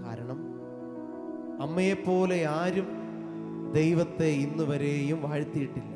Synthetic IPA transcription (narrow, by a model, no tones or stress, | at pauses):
a̰ːɾɐɳɐm | ɐmːɐjepːo̞ːleaːɾum | d̪ejʋɐt̪ːe̞inːuʋɐɾe̞ːjumʋaːɻt̪ːijiʈːilːɐ